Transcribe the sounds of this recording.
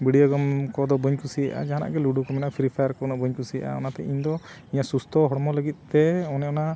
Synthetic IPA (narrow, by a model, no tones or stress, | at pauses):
biɖiɔɡɔmkɔd̪ɔbuɲkusija̰ʔa̰d͡ʒaɦana̰ʔɡɛluɖukɔmɛnaʔpʰɾipʰajaɾkɔnɔʔbəɲkusija̰ʔa̰ɔnat̪ɛʔiɲd̪ɔ | iɲaʔsust̪ʰɔɦɔɽmɔləɡit̪̚ˀt̪ɛɔnɛɔna